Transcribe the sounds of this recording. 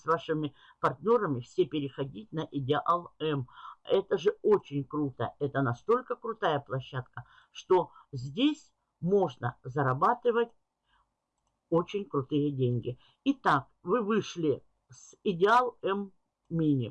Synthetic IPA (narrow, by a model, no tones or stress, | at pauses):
sʲvaʂɨmʲɪ | pɐrt̪ʲnʲo̞ɾəmʲɪfsʲepʲɪɾʲɪxɐdʲit̚ʲnɐʔɪdʲɪʔalˠɛmɛt̪əʐɨo̞t͡ɕɪnʲkɾut̪ə̰ɛt̪ənɐst̪o̞lʲkəkɾʊt̪ajəplˠɐɕːat̪kə | ʂt̪o̞zʲdʲesʲ | mo̞ʐnəzɐɾɐbat̪ɨvətʲ | o̞t͡ɕɪnʲkɾʊt̪ɨjədʲenʲɡʲɪ | ɪt̪ak | vɨvɨʂlʲɪ | sɪdʲɪalˠɛm | mʲinʲɪ̰